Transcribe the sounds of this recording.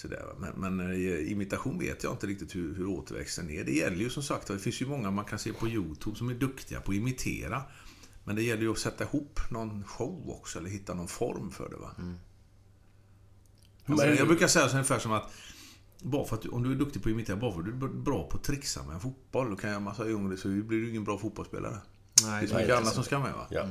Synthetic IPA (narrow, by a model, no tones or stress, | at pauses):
sɔd̪æ̰ːɾva̰mɛ̰nmɛnɪmɪt̪aɧuːnvḛːt̪ʰjɑ̰ɪnt̪əɾɪk̚t̪ɪt̪hɵhɵɾoːt̪ʰəɾvɛ̰kst̪ənɛɖɛjɛlːəɾjɵsɔmsakt̪vad̪ɛfɪnsjɵmɔŋːamankʰanseːpʰɔjuːt̪ʰʉːbsɔmæɖɵkt̪ʰɪɡa̰pʰɔɪmɪt̪ʰḛːɾa | mɛnd̪ɛjɛlːəjɵɔsɛt̪ːaɪhupːnɔnɧɔwɔ̰ksɔɛləɾɦɪt̪ːanɔnfɔ̰ɾmfœ̰ɖɛ̰va̰ | jɑɡbɾʉːkasɛjːasɔɵnɪfæːʂɔmat̪ | bɑːɾafœɾat̪̚d̪ɵʔɔmd̪ɵæɖɵk̚t̪ɪɡpʰɔɪmɪt̪ʰeːɾabɑːɾfɔɖʉbɾɑ̰ːpʰɔt̪ʰɾɪksa̰mɛ̰ɛnfut̪̚b̥ɔld̪ɔkʰanjmansɑːɵŋːɾɪsɔblɪɖɪɪŋːənbɾɑːfuːt̪bɔlspḛːla̰ɾə | fɪnsɔmkkːəanːat̪sɔmskamɛ̰va̰